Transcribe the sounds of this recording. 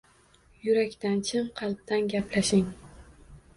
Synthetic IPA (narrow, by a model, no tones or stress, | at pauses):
jʊɾakʲt̪ant͡ʃʰɪmqʰɑlˠp̚t̪anɡʲaplaʃɪŋ